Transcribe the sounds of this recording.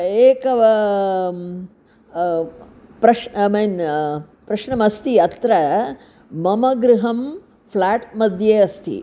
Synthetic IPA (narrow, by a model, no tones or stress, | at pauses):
eːkɐʋɐ | pɾɐʂmen | pɾɐʃɳɐmɐst̪iɐt̪ɾɐ | mɐmɐɡɾuɦɐm | pʰlaːʈmɐd̪ʱjeːɐst̪ʰḭ